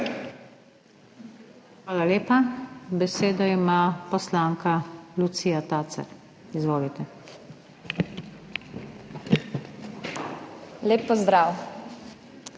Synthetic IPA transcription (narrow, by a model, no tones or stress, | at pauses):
xʋaːlaleːpabɛseːd̪ɔimaːpɔslaːŋkalut̪siːjat̪aːsa̰ɾ | izʋoːlit̪ɛ | leːpːɔzd̪ɾaw